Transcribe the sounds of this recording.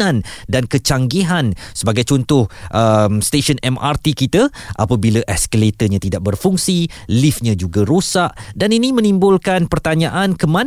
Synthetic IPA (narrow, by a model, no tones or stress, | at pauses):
andankət͡ʃaŋɡiɦansəbaɡajt͡ʃɔnt̪ʊhʔəmst̪eʃənɛma̰rt̪ikit̪aʔa̰pabilaʔɛskəlet̪əɲãt̪idaʔ̚bərfuŋsilifɲãd͡ʒuɡaɾosaʔdaninĩmə̃nimbʊlkanpərt̪aɲãʔankəmãn